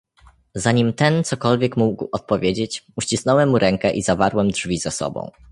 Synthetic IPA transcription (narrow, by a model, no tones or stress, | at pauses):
zaɲimt̪ɛnt̪sɔkɔlvʲjekmuɡwʔɔt̪̚pɔvʲjed͡ʑet͡ɕuɕt͡ɕisnɔwɛmːuɾɛŋkɛʔizavaɾwɛmdʐvʲizasɔ̰bɔ̰̃w̃